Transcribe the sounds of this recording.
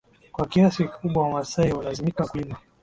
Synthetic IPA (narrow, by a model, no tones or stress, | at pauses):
kwakiasikki̥kuɓwawamasaihulazimikakulima